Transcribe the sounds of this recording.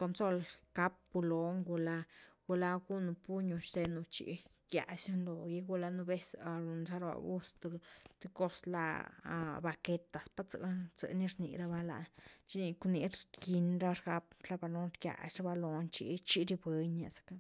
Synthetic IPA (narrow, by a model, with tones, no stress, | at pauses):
ko˧nso˦lka˦p̚bu˧lo˦ŋɡu˧la˧ɡ̥u˧la˦ɡu˦nu˧pu˦ɲu˧˨ʃt̪e˧nu˧t͡ʃḭ˧˨ | ɡ̥ʲja̰˨ʃnlo˨ji˦ɡu˧la˧nu˧be˦sa˨ɾu˨nsa˦ɾba̰˧˨bu˦st̪t̪e˧ko˦sla̰˧ | ba˧ke˧t̪a˨spa˦t͡sə̰˧t͡sə̰˨ni˦ɾnḭ˨ɾa˦ba˦la̰˨t͡ʃi˦ni˧ku˧ni˧˦ɾki˧nɾa˦ɾɡa˧pla˦ba˧lo˧˦nɾɡja̰˨ʃɾa˦ba˦˧lo˧nt͡ʃḭ˧t͡ʃi˦ɾi˧be˧ɲa˨sḁ˨ka˦